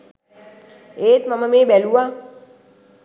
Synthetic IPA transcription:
eːt̪mɐməmeːbɛlua

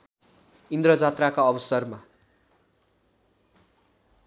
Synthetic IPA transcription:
ind̪rʌd͡zat̪rakaʌbʌsʌrma

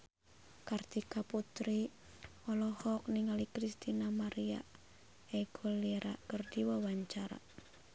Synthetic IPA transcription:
kart̪ikaput̪ɾi | ɔlɔhɔk̚niŋalikɾist̪inamaɾia̰ | ɛɡoliɾakərdiwawaɲt͡ʃaɾa̰

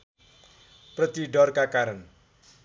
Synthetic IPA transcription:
pɾət̪iɖɔrkakaɾən

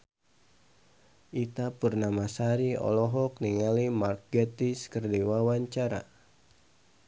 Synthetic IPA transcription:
ʔit̪apurnamasaɾiɔ̰lɔɦɔk̚niŋalimarkɛt̪iskərdiwawaɲt͡ʃaɾa̰

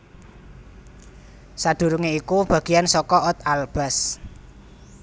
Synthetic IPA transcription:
sad̪̥ṳɾuŋeikub̥ä̤ɡ̥i̤jansɔkɔɔt̪alb̥a̤s

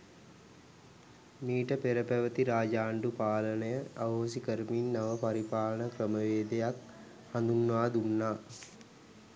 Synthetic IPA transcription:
miːʈəpeɾəpæʋət̪iɾaːd͡ʒaːɳɖupaːlənəjəaʋɦosikəɾminːaʋəpaɾipaːlənəkɾəməʋeːd̪ejak | hand̪unːʋaːd̪unːaː

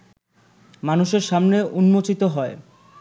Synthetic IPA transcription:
manuʃeɾʃamneʔunmot͡ɕit̪oɦɔe

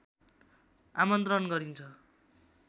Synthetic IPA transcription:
amʌnt̪ɾʌnɡʌɾint͡sʰʌ

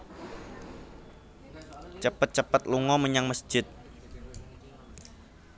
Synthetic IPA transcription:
t͡ʃəpət̪̚t͡ʃəpət̪̚luŋɔməɲaŋməsd͡ʒ̥ɪt̪̚

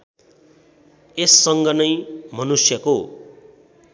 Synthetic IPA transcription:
esːʌŋɡʌnʌjmʌnusjʌko

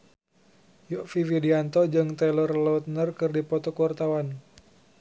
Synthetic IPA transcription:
jɔʔfividiant̪ɔd͡ʒɨŋt̪ɛlərlɔwt̪̚nərkɨrdipɔt̪ɔkuwart̪awan

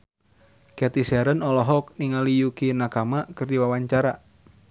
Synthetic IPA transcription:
kat̪isaɾənɔlɔɦɔk̚niŋalijukinakamakɨrdiwawaɲt͡ʃaɾa

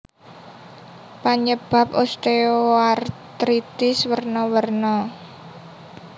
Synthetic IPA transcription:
paɲəb̥ä̤p̚ost̪eoart̪ɾit̪ɪswərnɔwərnɔ

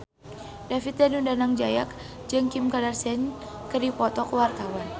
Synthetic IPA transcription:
dafit̪̚danundanaŋd͡ʒajak̚ | d͡ʒɨŋkimkadarsɛn | kərdipɔt̪ɔkwart̪awan

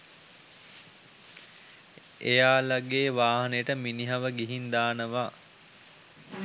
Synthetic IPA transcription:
ejaːlaɡeːʋaːɦɐnəjəʈəminiɦaʋəɡiɦind̪aːnəʋaː

